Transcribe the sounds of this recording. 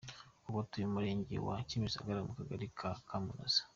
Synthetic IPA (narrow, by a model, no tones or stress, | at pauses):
uβotujimuɾeːɲɟḛwa̰cimisa̰ɡaɾamukaɡaɾikʰakʰamuna̰sḁ